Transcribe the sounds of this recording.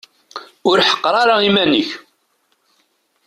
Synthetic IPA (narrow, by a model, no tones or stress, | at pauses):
ʊɾħə̥qːɾˤɑɾaimænəç